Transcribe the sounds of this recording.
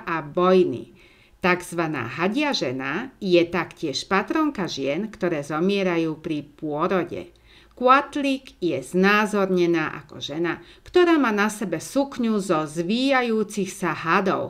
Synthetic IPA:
ʔabɔjnḭ | t̪aɡz̥ʋana̰ːɦaɟɪaʒɛnajɛt̪akcɪɛʃpat̪ɾɔŋkaʒɪɛnkt̪ɔɾɛːzɔmɪɛɾajuːpɾipʊɔɾɔɟɛ̰ | kʊat̪liɡjɛz̥naːzɔɾɲɛnaːʔa̰kɔ̰ʒɛnakt̪ɔɾaːmaːnasɛbɛsukɲuzɔzʋiːjajuːt͡sixsaɦad̪ɔ̰ʊ

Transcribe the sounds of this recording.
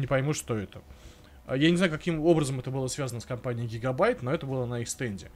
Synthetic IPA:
nʲɪpɐjmʲuʂt̪oɛt̪ə | janʲɪzajʊkɐkʲimo̞bɾəzəmɛt̪əbɨlˠəsvʲazənəskɐmpanʲɪɪɡʲɪɡɐbajt̪no̞ɛt̪əbɨlˠənɐixst̪ɛnʲdʲɪ

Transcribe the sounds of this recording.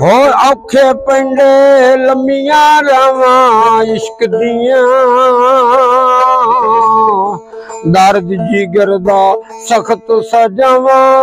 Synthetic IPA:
ɦoːãːkʰeːpəɪɳɖeːləmijãːɾaːʋãːɪskd̪ijãː | d̪aːɾd̪d͡ʒiːɡəɾd̪aː | səkʰt̪saːd͡ʒãːʋãː

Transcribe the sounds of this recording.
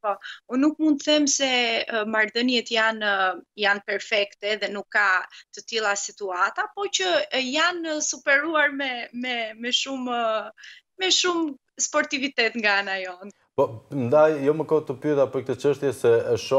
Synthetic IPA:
pɔunukmund̪θɛmsɛmaɾðənjɛt̪janjanpɛɾfɛkt̪ɛðɛnukːat̪ət̪ilˠasit̪uat̪apɔt͡ʃəjansupɛɾuaɾmɛmɛmɛʃum | mɛʃum | spɔɾt̪ivit̪ɛt̪ŋɡanajɔn | pɔnd̪ajjɔməkɔt̪əpyðapəɾk̚t̪ət͡ʃəʃt̪jɛsɛʃɔ

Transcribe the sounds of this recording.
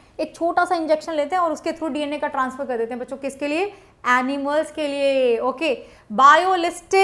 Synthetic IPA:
eːk̚t͡ʃʰoːʈasaɪ̃nd͡ʒɛkʃə̃nleːt̪eɦɛ̃ɔːɾʊsket̪ʰɾuːɖiːɛnekaʈɾãːnsfəɾkɐɾd̪eːt̪eɦɛ̃bɐːt͡ʃʰõkɪskelie | ɛːnɪməlskelieoːkeː | baːjolɪsʈ

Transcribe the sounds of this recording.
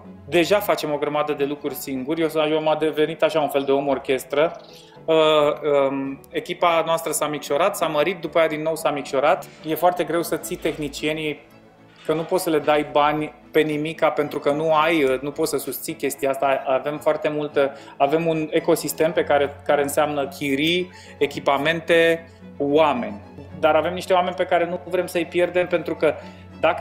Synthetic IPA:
d̪e̞ʒafat͡ʃe̞mo̞ɡɾəmad̪əd̪e̞lukɾurʲsiŋɡurʲjesamad̪eve̞nit̪aʃaunfe̞ld̪e̞o̞mo̞rkʲe̞st̪ɾə | əəe̞kʲipanoast̪ɾəsamikʃo̞ɾat̪saməɾit̪̚d̪upajad̪inːo̞wsamikʃo̞ɾat̪je̞foart̪e̞ɡɾe̞wsət̪sit̪e̞xnit͡ʃie̞nij | kənupo̞t̪səle̞d̪ajbanʲpe̞nimikːape̞nt̪ɾukənuajnupo̞t̪səsust̪sijkʲe̞st̪ijaast̪aave̞mfoart̪e̞mult̪ə | ave̞mune̞ko̞sist̪e̞mpe̞kaɾe̞kaɾe̞ɨnseamnəkʲʰiɾi | ekʲipame̞nt̪e̞ | wame̞nʲ | d̪aɾave̞mniʃt̪e̞wame̞nʲpe̞kaɾe̞nuvɾe̞msəjpje̞rd̪e̞mpe̞nt̪ɾukə | d̪ak

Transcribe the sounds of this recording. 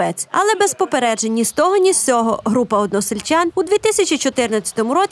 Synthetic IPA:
ɛt͡sʲɐ̰lˠɛbɛzpɔpeɾɛd͡ʒenʲːist̪ɔɦɔnʲist͡sʲɔɦɔɦɾupɐɔd̪nɔsɪlʲt͡ʃʲanud̪ʋʲit̪ɪsʲɐt͡ʃit͡ʃɔt̪ɪrnɐt͡sʲːɐ̥t̪ɔmʊɾɔ

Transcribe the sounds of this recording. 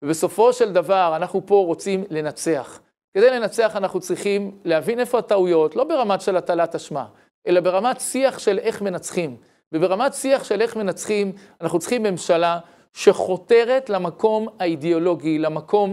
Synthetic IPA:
vebe̞so̞fo̞ʃe̞ld̪avaʁanaχnupo̞ʁo̞t͡simle̞nat͡se̞aχ | ked̪e̞jle̞nat͡se̞aχanaχnut͡sʁiχimleavine̞fo̞ataujo̞tlo̞be̞ʁamatʃe̞lat̪alataʃma̰ | ʔe̞labeʁamatsiaχʃe̞le̞χme̞nat͡sχim | bebeʁamatsiaχʃe̞le̞χme̞nat͡sχimanaχnut͡sʁiχimːe̞mʃala | ʃe̞χo̞t̪e̞ʁe̞tlamako̞maideo̞lo̞ɡilamako̞m

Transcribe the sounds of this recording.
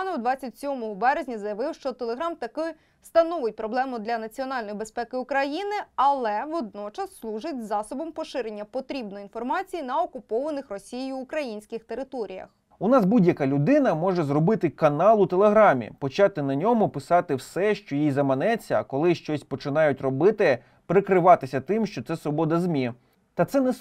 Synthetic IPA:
nɔwd̪ʋɑt͡sʲɐtʲsʲɔmɔɦɔbɛɾezʲnʲɐzɐjɐʋɪwʃt͡ʃɔt̪elˠeɦɾɑmt̪ɐkɪj | st̪ɐnɔʋɪt̚ʲpɾɔblˠɛmʊd̪lʲɐnɐt͡sʲiɔnɑlʲnɔjibespɛkɪʊkɾɐjinɪɐlˠɛʋɔd̪̚nɔt͡ʃɐsːlˠuʒɪtʲzɑsɔbɔmpɔʃɪɾenʲːɐpɔt̪ɾʲibnɔjin̪fɔrmɑt͡sʲijinɐɔkʊpɔʋɐnɪxrɔsʲijjuːkɾɐjinʲsʲkɪxt̪eɾɪt̪ɔɾʲḭjɐ̰x | ʊnɑsbudʲjɐkalʲʊd̪ɪnɐmɔʒɛzrɔbɪt̪ɪkɐnɑlˠʊt̪elˠeɦɾɑmʲḭpɔt͡ʃɑt̪ɪnɐnʲɔmʊpɪsɑt̪ɪwsɛʃt͡ʃɔjijzɐmɐnɛt͡sʲːɐːkɔlˠɪʃt͡ʃɔsʲpɔt͡ʃɪnɑjʊtʲrɔbɪt̪ɪ | pɾɪkɾɪʋɑt̪ɪsʲɐt̪ɪmʃt͡ʃɔt̪sɛsʋɔbɔd̪ɐzmʲi | t̪ɐt̪sɛnɛ

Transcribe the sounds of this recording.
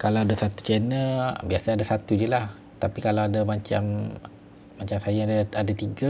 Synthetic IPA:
kalawdəsat̪u̥t͡ʃɛnəbiasaadasat̪ud͡ʒəlah | t̪apikalawadamãt͡ʃam | mãɲt͡ʃamsajadaadat̪iɡa

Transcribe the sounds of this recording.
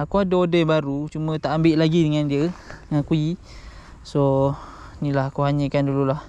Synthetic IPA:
akuadəodəjbaɾut͡ʃumə̃t̪aʔambɪʔlaɡidəŋandiəŋakui | so | nĩlahakuɦaɲə̃kandululah

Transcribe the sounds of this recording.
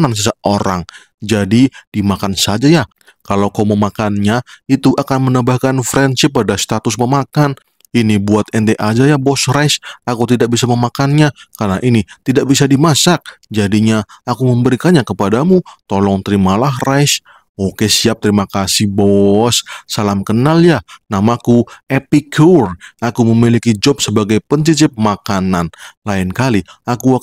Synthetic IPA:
nans̬əsəoɾaŋ | d͡ʒadid̥imakansad͡ʒajah | kalawkawməmakanɲait̪uʔakanmənəbahkanfɾɛnsɪpadast̪at̪ʊsməmakan | inibuat̪̚ɛnt̪eʔad͡ʒajabɔsrajsakut̪idak̚bisaməmakanɲakarnaʔinit̪idaʔ̚bisadimasak̚d͡ʒadiɲaakuməmbəɾikanɲakəpadamut̪olɔŋt̪əɾimalaɦrajs | okesiap̚t̪əɾimakasɪhbɔssalamkənaljanamakuepikʰurakuməmilikid͡ʒɔp̚səbaɡajpənsit͡ʃɪp̚makananlaɪnkaliaku

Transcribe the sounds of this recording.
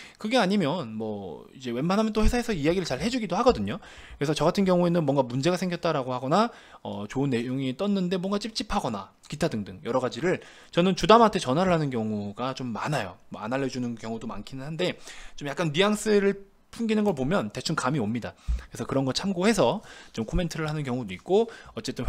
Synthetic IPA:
kɯɡe̞aɲimjʌnmʌ̰id͡ʑe̞we̞manɦamʌnt͈ohe̞sʰaɦe̞sʰʌijaɡiɾɯɭt͡ɕaɭhe̞d͡ʑuɡidohaɡʌdɯɲo | kɯɾe̞sʰʌt͡ɕʌɡatʰɯnkjʌŋue̞nɯnmwʌŋɡamund͡ʑe̞ɡasʰe̞ŋɡjʌt̚t͈aɾaɡohaɡʌna | ʌ̰t͡ɕoɯnːe̞joŋit͈ʌnːɯnde̞mwʌnŋɡat͡ɕ͈ip̚t͡ɕ͈ipʰaɡʌna̰ | kitʰadɯŋdɯŋjʌɾʌɡad͡ʑiɾɯɭ | t͡ɕʌnɯnt͡ɕudamantʰe̞t͡ɕʌnɦaɾɯɭhanɯnk̬ʲjʌŋuɡat͡ɕomːa̰najo̰ma̰naʎːʌd͡ʑunɯnkjʌŋudoma̰nkʰinɯnɦande̞t͡ɕomjak͈anɥiaŋs͈ɯɾɯɭ | pʰunɡinɯnɡʌɭpomjʌnte̞t͡ɕʰunkamiʌmɲidakɯɾesʰʌkɯɾʌnɡʌɭt͡ɕʰamɡohe̞s̬ʰʌt͡ɕomkʰome̞ntʰɯɾɯɭɦanɯnkjʌŋudoik̚k͈oʌt͡ɕ͈e̞t͈ɯn

